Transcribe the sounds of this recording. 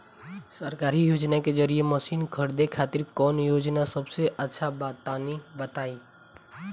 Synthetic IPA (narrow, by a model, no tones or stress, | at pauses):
səɾkaːɾijoːd͡ʒnakezəɾieməsiːnkʰəɾd̪ekʰaːt̪ɪɾkɔːnjoːd͡ʒnasəbseʔətːʃʰabaːt̪ːaːnibət̪aːiː